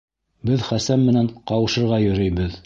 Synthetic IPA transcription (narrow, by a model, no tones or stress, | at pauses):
bɘðχæsæmːɘ̆næɴqɑwɤ̆ʃɤ̆ɾʁɑjɵ̆ɾɘ̆jbɘð